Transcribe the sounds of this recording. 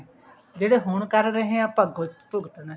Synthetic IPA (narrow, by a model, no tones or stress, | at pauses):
d͡ʒeːɽeɦʊɳkəɾɾəɦẽapəɡ̪pʊɡt̪na